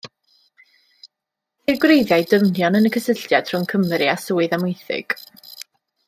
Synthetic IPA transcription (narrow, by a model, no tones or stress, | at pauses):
hirɡwrejðjajdəmnjɔnənəkʰəsəɬtjad̥r̥ʊnkʰəmɾiasuːɨðamʊjθɪ̰ɡ̥